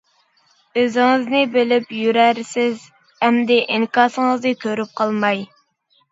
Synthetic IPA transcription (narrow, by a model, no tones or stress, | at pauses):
øzɪŋɨznɪbɪlɪpjyɾæɾsɪz | hɛmd̪ɪʔiŋkɑːsəŋəznɨkʲʰøɾyp̚qʰɑlˠmɑj